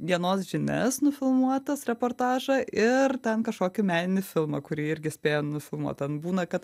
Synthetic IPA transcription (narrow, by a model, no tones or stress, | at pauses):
ʋʲiɛnoːsʒʲɪnʲɛ̰snʊfʲɪlˠmuɔt̪ɐsɾʲɛpoːrt̪ɑːʒɐʔɪrt̪ʲɛnkɐʃkoːkʲɪmʲæːnʲɪnʲɪfʲɪlˠmɐkʊɾʲiːɪɾʲɡʲɪsʲpʲeːjoːnʊfʲɪlˠmṵɔ̰t̪ɐnbuːnɐkɐt̪